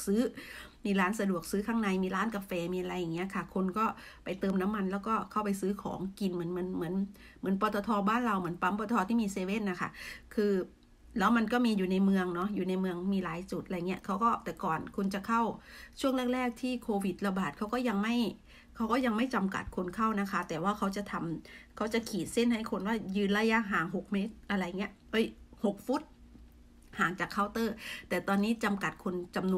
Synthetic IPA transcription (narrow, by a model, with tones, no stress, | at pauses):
sɯː˦˥miː˧laː˦˥nsa˧du˨˩ək̚sɯː˦˥kʰaː˥˩ŋna˧jmiː˧ɾaː˦˥nka˧fɛː˧miː˧a˧ɾa˧jːa˨˩ŋːi˦˥ɐkʰa˥˩kʰo˧nkɔː˥˩ | pa˧jt̪ɤː˧mna˦˥mːa˧nlɛː˦˥wkɔː˥˩kʰa˥˩wpa˧jsɯː˦˥kʰɔ̰ː˩˦ŋki˧nm˧˩˦ə˦nm˩˦ənmɯ˩˦ən | mɯ˩˦ənpɔː˧t̪ɔː˧t̪ʰɔː˧baː˥˩nɾa˧wmɯ˩˦ənpa˧˦˥mpɔː˧ɔː˧t̪ʰiː˥˩miː˧seː˧we˥˩nːa˧˩kʰa̰˥˩kʰɯː˧ | lɛː˦˥wma˧nkɔː˥˩miː˧juː˨˩na˧jmɯ˧əŋnɔ˦˥juː˨˩na˧jmɯ˧əŋmiː˧laː˨˩˦jt͡ɕu˨˩t̪̚ʔa˧jŋi˦˥ɐʔkʰa˦˥wkɔː˥˩t̪ɛː˨˩kɔː˨˩nkʰu˧nt͡ɕa˨˩kʰa˥˩wt͡ɕʰu˥˩əŋlɯ˥˩ək̚ɾlɛː˥˩k̚t̪ʰiː˥˩kʰoː˧wi˨˩t̪̚la˧baː˨˩t̪̚kʰa˦˥wkɔː˥˩ja˧ŋma˥˩j | kʰa˦˥wkɔː˥˩ja˧ŋma˥˩jt͡ɕa˧mka̰˨˩t̪̚kʰu˧nkʰa˥˩wna˦˥kʰa˦˥t̪ɛː˨˩waː˥˩kʰa˦˥wt͡ɕa˨˩t̪ʰa˧mkʰa˦˥wt͡ɕa˨˩kʰiː˨˩t̪̚se˥˩nɦa˥˩jkʰo˧nwaː˥˩jɯː˧nlaː˧˥ja˦˧˥ɦaː˩˦ŋɦo˨˩k̚meː˦˥t̪̚ʔa˧ɾa˧jŋi˦˥ɐʔʔɤ˦˥˩jho˨˩k̚fu˦˥t̪̚ | haː˨˦ŋt͡ɕaː˨˩kʰːa˧˥˩wt̪ɤː˥˩t̪ɛː˨˩t̪ɔː˧nːiː˦˥t͡ɕa˧mka˨˩t̪̚kʰu˧nt͡ɕa˧mnu˧